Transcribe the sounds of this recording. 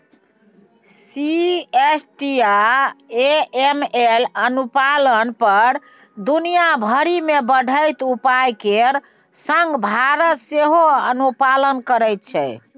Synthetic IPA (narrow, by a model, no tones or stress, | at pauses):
siesʈiaeemelənupalənpəɾ | d̪unijabʱəɾimebəɖʱəjt̪upajkeɾ | səŋɡbʱaɾət̪seɦoənupalənkəɾəjt̪̚t͡ʃʰɛ